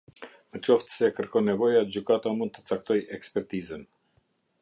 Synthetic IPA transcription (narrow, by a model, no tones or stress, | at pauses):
mət͡ʃɔft̪sɛkəɾkɔnɛvɔjad͡ʑykat̪amund̪t̪ə̥t͡sak̚t̪ɔjɛkspɛɾt̪izən